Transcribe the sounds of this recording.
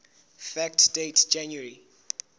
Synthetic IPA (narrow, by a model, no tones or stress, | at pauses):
fɛk̚td̥etd͡ʒãnjəɹi